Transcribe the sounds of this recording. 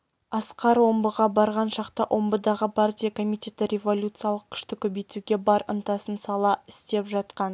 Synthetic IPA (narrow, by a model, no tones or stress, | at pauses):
ɑsqɑɾwo̞mbəʁɑbɑɾʁɑnʃɑqt̪ɑʔo̞mbəd̪ɑʁəpʰart̪ʲijakʰo̞mijtʲe̞t̪ɪɾʲe̞vo̞lʲut̪sɨjaɑlˠəq̚kʲʰʏ̥ʃt̪ɪkʲʰɵbejt̪uɡʲe̞bɑɾə̰nt̪ɑsənsɑlˠɑɪ̥st̪e̞pʒɑt̪qɑn